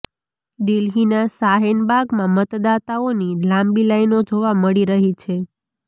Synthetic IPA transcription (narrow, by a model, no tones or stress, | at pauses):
d̪ilɦinasaɦenbaɡmãmət̪d̪at̪aonilãmbilainod͡ʒoʋaməɭiɾəɦit͡ʃʰe